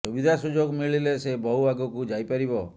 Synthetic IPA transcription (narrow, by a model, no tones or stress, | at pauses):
subid̪ʱasud͡ʒoɡmiɭilesebɔɦuaɡɔkud͡ʒajpaɾibɔ